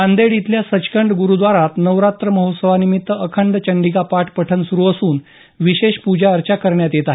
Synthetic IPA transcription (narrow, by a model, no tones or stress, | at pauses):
and̪eɽit̪ljasət͡ɕkəɳɖɡuɾuːd̪ʋaɾat̪nəʋɾat̪ɾəməɦot̪səʋanimit̪ːəəkʰəɳɖt͡ɕəɳɖikapaʈʰpəʈʰənsuɾuːəsuːn | ʋiɕeɕpud͡ʑaəɾt͡ɕakəɾɳjat̪jet̪aɦ